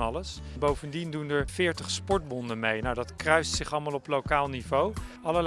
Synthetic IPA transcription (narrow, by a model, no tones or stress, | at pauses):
ɑləsbowvəndindundəɹv̥ɪːɹtəχspɔɹt̚bɔndəmejnawdɑtkrœɥstsɪχɑlˠmaːlˠɔplowkaːlˠnivow | ɑləɹl